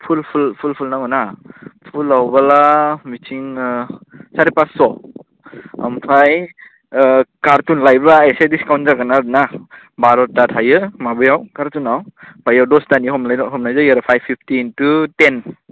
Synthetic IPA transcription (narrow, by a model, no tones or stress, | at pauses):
pʰulpʰulpʰulpʰulnaŋɔnapʰulawbalamitʰiŋ | saɾipasɔ | a̰mpʰaj | kaɾtunlajbaesediskawnzakanadɯna | baɾɔtatʰajɯmabɯjawkaɾtunawbajawdɔstaniɦɔmaɦɔmnajzɯjaɾapʰajbʰipʰtintuten